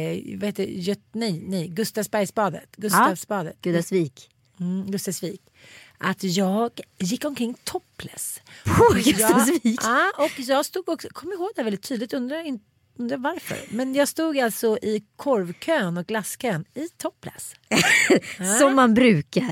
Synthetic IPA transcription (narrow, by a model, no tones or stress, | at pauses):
vaheːt̪ːjɵt̪nɛjnɛjɡɵst̪avsbæɾjsbɑːd̪ə̰t̪ɡɵt̪avsbɑːd̪ə̰t̪ɡʉːd̪asviːk | ɡɵst̪asviːk | ʔat̪jɑːɡjɪkːɔmkʰɾɪŋːt̪ʰɔpːʰla̰s | ɡjɑsviɑːɔkjɑːɡst̪uːɡɔksɔkʰɔmːjɪɾhoːɡd̪ɛhæɾvɛlɪt̪ʰːyːd̪lɪt̪ɵnd̪ɾaɪnt̪ | ɵnd̪ɾavaɾfœ̰ɾmɛnjɑːɡst̪uːɡalt̪sɔʔɪkʰɔɾvkʰøːnɔk̚ɡlaskʰøːnɪt̪ʰɔpʰːla̰s | sɔmːanbɾʉ̟ːkaɾ